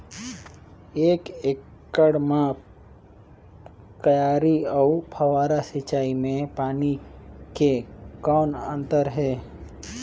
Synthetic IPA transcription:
eːkekːəɽmã | kəjaːɾiɔupʰəʋaːɾasɪt͡ʃaːimẽpaːnikekɔːnə̃nt̪əɾɦɛː

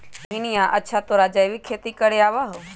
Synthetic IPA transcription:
ɦɪnijãʔətːʃʰat̪oɾaːd͡ʒaːjʋikʰːeːt̪ikəɾeaːʋaɦoː

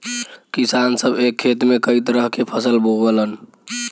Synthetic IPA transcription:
kisansəbekʰːet̪mekəjt̪ɾəɦkepʰəsəlbʱobələn

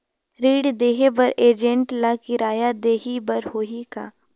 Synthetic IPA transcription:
ɾiːɽd̪eːɦebɐɾeːd͡ʒə̃ɳʈlakɪɾaːjad̪eːɦibɐɾhoːɦika̰ː

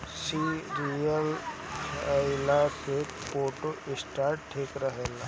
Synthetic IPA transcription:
siːɾiəl | alakeː | poːʈoʔɪsʈaːɾʈʈʰːeːkɾɐɦela

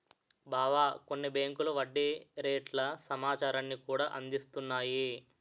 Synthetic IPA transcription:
baːʋaːko̞nːibeːŋkuluʋɐɖːeɾeːʈlɐsɐmaːt͡ʃaːɾɐnːikuːɽaːʔɐnd̪ist̪unːaːji

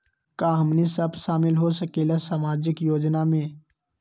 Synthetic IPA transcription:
kaːɦɐmnisɐbʃaːmɪlɦosɐkeːlasaːmaːd͡ʒɪkjoːd͡ʒnamẽː

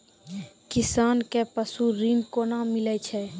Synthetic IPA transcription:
kɪsaːnkepəsuɾinkonamɪlɛt͡ʃʰɛː

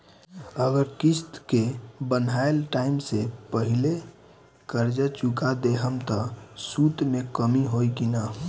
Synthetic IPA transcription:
əɡəɾkist̪kebənaelʈaimsepəɦile | kəɾd͡ʒət͡ʃukad̪eɦəmt̪əsut̪mekəmiɦojkina

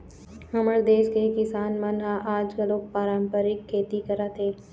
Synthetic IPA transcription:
hɐməɽd̪eːʃkekɪsaːnmanɦaʔaːd͡ʒkaloːk̚paːɾãːmpəɾɪkʰːeːt̪ikəɾat̪ʰeː

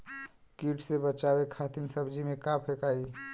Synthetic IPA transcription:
kiʈsebət͡ʃabekʰat̪insəbd͡ʒimekapʰekai

